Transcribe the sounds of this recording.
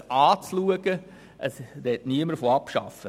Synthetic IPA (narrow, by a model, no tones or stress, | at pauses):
ɑːt͡sluəɡ̥ə | ʔəsdɛtniəməɾfoɑpʃɑ̰fə